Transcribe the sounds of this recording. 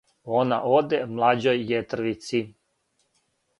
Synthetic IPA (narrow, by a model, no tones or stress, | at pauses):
ona̰ʔod̪emlˠad͡ʑojːet̪r̩ʋit̪sin